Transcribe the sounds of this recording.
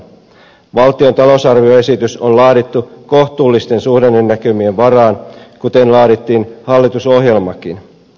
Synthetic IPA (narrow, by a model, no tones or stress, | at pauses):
ʋɑlt̪io̞nt̪ɑlo̞sɑrʋio̞e̞sit̪yso̞nlɑːdit̪ːuko̞ht̪uːlːist̪e̞nsuːhdendenːækømieʋʋɑrɑːnkut̪e̞nlɑːɾit̪ːiːnhɑlːit̪uso̞ɦje̞lmɑkin